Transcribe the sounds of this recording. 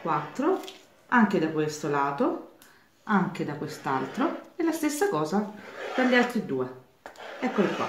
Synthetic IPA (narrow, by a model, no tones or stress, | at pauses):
kwat̪ːɾo | aŋk̟ed̪akwest̪olaːt̪o | aŋk̟ed̪akwest̪alt̪ɾoɛlast̪esːakɔːzad̪̥aʎːialt̪ɾid̪uːe | ɛkːolokwa̰